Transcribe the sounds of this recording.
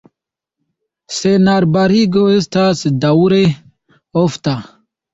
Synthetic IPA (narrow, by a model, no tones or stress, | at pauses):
senaɾbaɾiɡoest̪ʰasd̪awuɾe | oft̪a